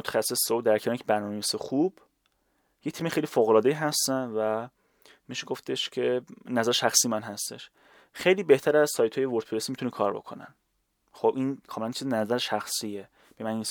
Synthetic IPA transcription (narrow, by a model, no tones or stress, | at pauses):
mot̪ʰæ̥xæsːesod̪æɾkʰeːnicʰebæɾnːmnevisexub̥ | jet̪ʰimexe̞jliːfoːɣolɒːd̪eiɦæst̪ænvæ | miʃeɡo̞ft̪e̞ʃcʰe̞næzæɾeʃæxsiːjemænɦæst̪e̞̰ʃ | xejliːbe̞ht̪ʰæɾæzsɒːjt̪ʰɒːjevoɾt̪̚ʰpʰeɾesimit̪unekʰɒ̰ːɾbo̞̰kʰo̰næ̰n | xobʔinkʰɒːmelænt͡ʃʰizenæzæɾeʃæxsie | b̥emænins